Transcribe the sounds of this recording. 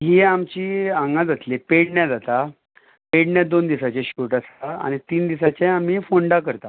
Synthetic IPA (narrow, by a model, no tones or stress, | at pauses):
ɦiːamt͡ɕiːãŋɡad͡zat̪lepeɽɳjad͡zat̪a | peɽɳjad̪ond̪isat͡ɕeɕuʈasaa̰ɽ̃it̪iːnd̪isat͡ɕeamiːfoɳɖakəɾt̪a